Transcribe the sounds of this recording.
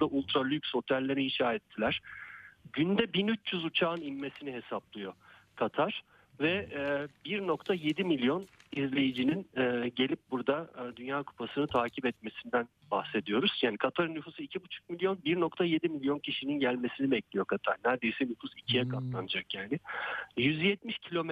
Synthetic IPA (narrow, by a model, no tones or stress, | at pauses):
ud̪aʔulʲˠt̪ɾalʲˠycʲsho̞t̪ʰælʲːeɾiiʃaːɛt̪ʰːilʲæɾ̥ɟynd̪ɛbinyt͡ʃjyzut͡ʃʰaːɯnimːe̞siniɦe̞saplˠɯjo̞ | kʰat̪ʰaɾ̥ | vɛbiɾno̞kt̪ʰaje̞d̪imilʲjo̞nizlʲe̞jid͡ʒininɛːɟe̞lʲip̚buɾd̪ad̪ynjaːkʰu̥pʰasɯnɯt̪ʰaːcʰipɛt̪̚me̞sind̪æn | bahse̞d̪ijo̞ɾuz̥jaːnikʰat̪ʰaɾɯnːyfuːsɯicʰibut͡ʃʰu̥k̚milʲjo̞nbiɾno̞kt̪ʰaje̞d̪imilʲjo̞ncʰiʃininɟælʲme̞sinibɛclʲijo̞kʰat̪ʰaɾnæɾd̪e̞jsɛnyfusicʰijɛkʰat̪lˠanɯd͡ʒakjaːnɪjyzjɛt̪̚miʃcʰilʲo̞m